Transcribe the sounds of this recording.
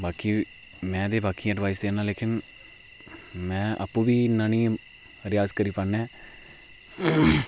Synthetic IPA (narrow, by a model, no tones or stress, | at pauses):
baːkiː | mɛ̃ːd̪eːbaːkiːɛɖʋaːisd̪eːnãːleːkɪn | mɛ̃ːʔəa̰pːũːbiːɪnːãːnĩː | ɾɪjaːzkəɾiːpənːɛː